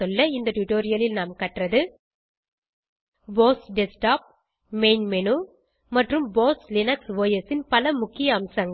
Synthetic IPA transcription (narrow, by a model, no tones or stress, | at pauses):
ɔlːɐɪnd̪ɐʈʊʈoːɾɪjɐlɪlnaːmkɐʈrɐðɯ | boːsɖɛsʈaːp̚ | meɪnmɛnu | mɐʈrɯmboːslɪnɐksʋoːjɐsɪnpɐlɐmʊkːɪjɐːmsɐŋɡ